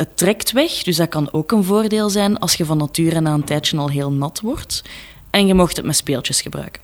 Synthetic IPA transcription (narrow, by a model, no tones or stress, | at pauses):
ətːrɛktʋɛxd̥ʏzdarkɑnoːkənvoːrdeːlˠzɛnɑ̰lˠsxəvɑnːɑtyːɾənaːəntɛːtt͡ʃənɑlˠɦeːlˠnɑtwɔrt | ɛnɣəmoxtɦətmɛtspeːlˠt͡ʃəsxəbrœ̰ɥkə̥n